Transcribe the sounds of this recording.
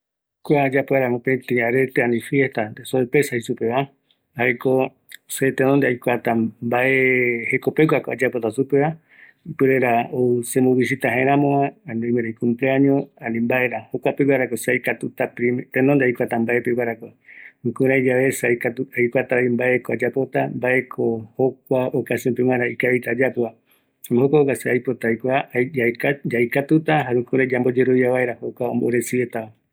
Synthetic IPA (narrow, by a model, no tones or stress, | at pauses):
kʷad͡ʒapoaɾamõpẽt̪ĩaɾet̪eanĩfjest̪and̪esoepesahisupeβa | aeko | set̪enond̪eajkʷat̪ambaehekopekʷakoad͡ʒapot̪asupeβa | ipɨɾeɾaoɨsemũβis̬it̪aɦẽɾãmõãnõmeɾejkũmpleaɲõanĩmbaeɾahokʷapeɡwaɾakosajkat̪ut̪apɾimt̪enond̪eajkʷat̪ambaepewaɾakoɾũkuɾajd͡ʒaβesakat̪uajkʷat̪aimbaekoad͡ʒapo̞t̪ambae̞kʰohok̚ʷaokasjompeŋãɾaikaβit̪ad͡ʒapoa | amɦokʷaokaseajpot̪ajkʷaajkd͡ʒajkat̪ut̪aɦaɾũkũɾad͡ʒambo̞d͡ʒe̞ɾoβjaβaeɾahokʷaõ̰mboɾesiet̪aa